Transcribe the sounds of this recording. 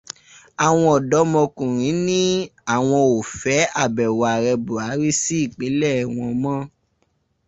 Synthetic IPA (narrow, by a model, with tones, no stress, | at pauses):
a˨w̃ɔ̃˧ɔ˨dɔ˨˦mɔ̃˧kũ˨ɾ̃ĩ˨˦nĩ˦a˦˨w̃ɔ̃˧o˨fɛ˨˦a˦˨bɛ˨wa˨ɾɛ˧bu˨a˨˦ɾi˦si˦i˦˨k͡pe˨˦lɛ˦˨w̃ɔ̃˧mã˦